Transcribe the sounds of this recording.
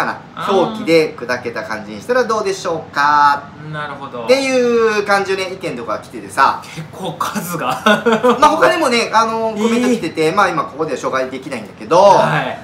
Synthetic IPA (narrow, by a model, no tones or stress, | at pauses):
kana̰ | so̞ːkʲid̪e̞kɯ̟d̪ake̞t̪akã̰ɲ̟d͡ʑiɲ̟iɕi̥t̪aɾad̪o̞ːd̪e̞ɕo̞ːkat | naɾɯ̟hod̪ot̪e̞jɯ̟ːkãɲ̟d͡ʑioneikẽ̞nt̪o̞kaɡakʲi̥t̪e̞t̪e̞sa̰kʰekʰːoːkʰazɨɡamaːho̞kaɲimo̞ne̞ano̞komẽt̪aki̥t̪e̞t̪e̞maːimako̞ko̞d̪e̞aɕo̞ːɡaid̪e̞kʲinaḭ̃nd̪ake̞d̪o̞a